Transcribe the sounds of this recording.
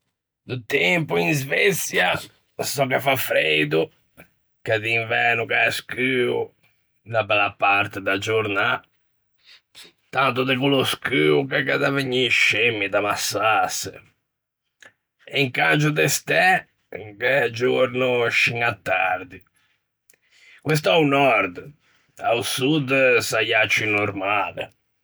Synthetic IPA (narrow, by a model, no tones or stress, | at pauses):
d̪ut̪ɛmpuinzvet̪sja | sɔkɛfafɾejd̪u | kaðiɱvɛːnukaskyːu | nabɛlapaɾt̪ɛd̪ad͡ʒoɾna | t̪ant̪ud̪ɛkuloskyːukɛkaðaveɲːiʃemːid̪amasːasɛ̰ | iŋkat͡ʃud̪est̪ɛ | kɛd͡ʒoɾnʊʃiŋat̪ːaɾd̪i | kwes̬t̪awnɔɾd̪ | a̰usud̪sajat͡ʃːinoɾmaːlḛ